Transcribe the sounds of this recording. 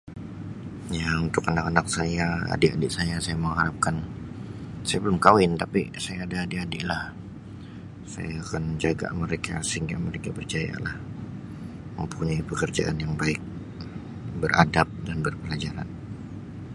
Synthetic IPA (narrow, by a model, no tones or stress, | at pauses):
jaunt̪ʊkːənakənak̚sajaa̰dɪʔa̰dɪʔsajasajaməŋɦaɾap̚kan | sajabəlʊmkawɪnt̪apḭsajaːdaːdɪʔadɪʔlah | sa̰jaːkand͡ʒaɡa̰məɾekʰa̰səiŋɡaməɾekabərt͡ʃaja̰lah | mə̰mpuɲaipəkərd͡ʒa̰ʔanjaŋbaɪk̚ | bərʔa̰dap̚danbərpəlad͡ʒaɾa̰n